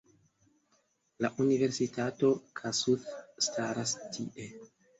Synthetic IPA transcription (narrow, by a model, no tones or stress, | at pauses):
laʔunive̞ɾsitʰato̞kʰasuθːtʰaɾastʰḭʔe̞